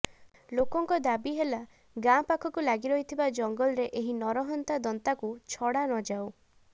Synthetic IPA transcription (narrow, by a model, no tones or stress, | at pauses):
lokɔŋkɔd̪abiɦela | ɡapakʰɔkulaɡiɾɔɦit̪ʰibad͡ʒɔŋɡɔlɔɾeʔeɦinɔɾɔɦɔnt̪ad̪ɔnt̪akut͡ʃʰɔɽanɔd͡ʒaw